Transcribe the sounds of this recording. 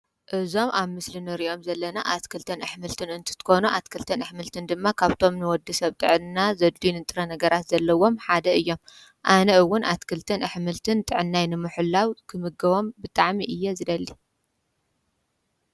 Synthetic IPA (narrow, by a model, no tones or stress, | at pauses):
ʔɨzo̞mʔaβmɨslinɨɾiʔo̞mzɐlːɐnaʔat̪kʰɨlt̪ʰɐnɨħmɨlt̪ʰɨnɨnt̪ʰɨ̥t̪ʰɨ̥ko̞nuʔat̪kʰɨlt̪ʰɨnɨħmɨlt̪ʰɨnd̪ɨmːakʰaβt̪ʰo̞mnɨwɔd̪ːɨsɐβt̪ʼɨʕɨnnazɐd̪lunɨt̪ʼɨɾɐnɐɡɐɾat̪zɐlːɐwo̞mħad̪ɐɨjːo̞m | ʔanɐɨwːʊnʔat̪kʰɨlt̪ʰɨnʔɨħmɨlt̪ʰɨnt̪ʼɨʕɨnːajnɨmɨħulːawkʰɨmɨɡɐβo̞mbɨt̪ʼaʕmiʔɨjːezɨd̪ɐlːi